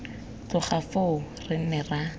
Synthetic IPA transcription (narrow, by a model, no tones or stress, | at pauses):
t͡sʊχafo | rɪmɪra